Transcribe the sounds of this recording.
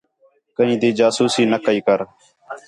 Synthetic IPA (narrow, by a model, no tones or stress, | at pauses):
kəɦĩːd̪iːd͡ʒaːsuːsiːnəkəiːkəɾ